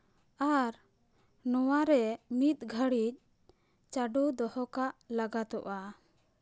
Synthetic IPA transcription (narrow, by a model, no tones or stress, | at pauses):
aɾ | nɔwaɾɛmit̪̚ɡʱəɽic̚ | t͡ʃaɖud̪ɔhɔkaʔlaɡat̪ɔʔa